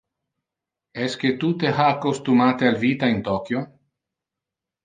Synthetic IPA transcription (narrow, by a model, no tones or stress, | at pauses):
ɛsket̪ut̪ehaːkost̪umat̪ealvit̪aint̪ɔkjo